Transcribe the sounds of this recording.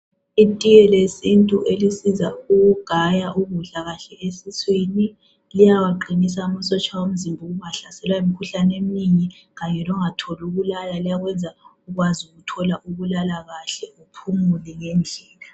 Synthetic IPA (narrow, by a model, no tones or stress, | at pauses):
itʼijɛlesintʼuʔelisizauɣuɡ̥ʱajaʔuβuɮaɣaɬɛʔesiswini | lijawaǃinis̬amasɔt͡ʃʰʼawom̩zimbʱuɣuŋaɬasɛlwaimikʰuɬanem̩niŋi | ɣaɲɛlɔŋatʰɔluɣulalalijaɣwɛnd͡zʱauɣwazuɣutʰɔlaʔuβulalaɣaɬɛupʰumulɛŋɛnd͡ɮʱɛːla